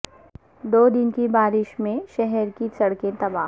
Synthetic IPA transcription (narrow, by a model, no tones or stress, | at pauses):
d̪oːd̪ɪnkibaːɾɪʃmẽʃɛɦɛɾkisɐɽkẽt̪ɐbaː